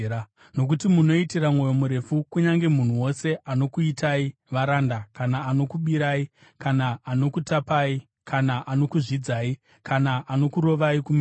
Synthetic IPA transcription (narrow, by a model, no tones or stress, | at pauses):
no̞k̬utimuno̞itiramŋo̞jo̞muɾe̞fukuɲaŋɡe̞mun̤uwo̞se̞ʔano̞kuitaiʋaɾandakanaːno̞kuɓiɾai | kanaːno̞kutapaːi | kanaʔano̞kuʐid͡zaːi | kanaʔano̞kuɾo̞ʋaikum